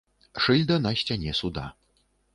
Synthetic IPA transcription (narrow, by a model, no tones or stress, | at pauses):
ʂɨlʲd̪ɐnɐsʲt͡sʲanʲɛsud̪a̰